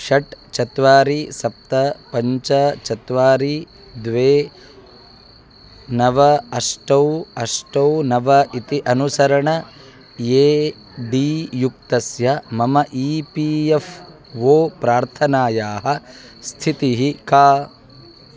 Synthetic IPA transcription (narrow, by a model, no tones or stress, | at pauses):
ʃɐʈt͡ʃɐt̪ʋaːɾisɐp̚t̪ɐpɐɲt͡ʃɐt͡ʃɐt̪ʋaːɾi | d̪ʋeː | nɐʋɐɐʂʈɐwɐʂʈɐwnɐʋɐit̪iʔɐnusɐɾɐɳɐ | jeː | ɖiːjuk̚t̪ɐsjɐmɐmɐʔiːpief | ʋoːpɾaːɾt̪ʰɐnaːjaːɦɐ | st̪ʰit̪iɦikaː